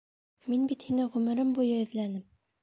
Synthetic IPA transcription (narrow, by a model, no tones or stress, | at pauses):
minbit̪hinɘʁʉmɘ̆ɾɘmbujɤɘ̆ðlænɘm